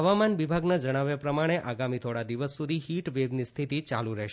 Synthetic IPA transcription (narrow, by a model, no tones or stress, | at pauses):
ɦəʋamanʋibʱaɡnad͡ʒəɽ̃aʋjapɾəmaɽ̃eʔaɡamit̪ʰoɽad̪iʋəsːud̪ʱiɦiʈʋebnist̪ʰit̪it͡ʃaluɾɛɦʃ